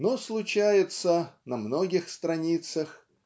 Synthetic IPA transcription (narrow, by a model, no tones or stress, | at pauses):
noslˠʊt͡ɕæjɪt̪sənɐmno̞ɡʲɪxst̪ɾɐnʲit̪səx